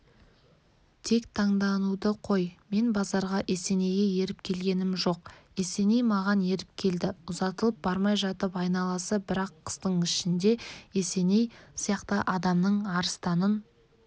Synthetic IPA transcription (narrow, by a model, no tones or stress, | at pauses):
t̪ʰe̞kt̪ʰɑɴd̪ɑnud̪əqʰo̞jme̞nbɑzɑɾʁɑʔe̞se̞ne̞jɡʲe̞je̞ɾɪp̚kʲʰe̞lɡʲe̞nɪmʒo̞qe̞se̞nejmɑʁɑne̞ɾɪp̚kʲʰe̞ld̪ɪʊzɑt̪əlˠəp̚bɑɾmɑjʒɑt̪əpɑjnɑlˠɑsəbɪɾɑqʰːə̥st̪əɴɪʃɪnd̪e̞e̞se̞ne̞jsijɑqt̪əʔɑd̪ɑmnəɴɑɾəst̪ɑnən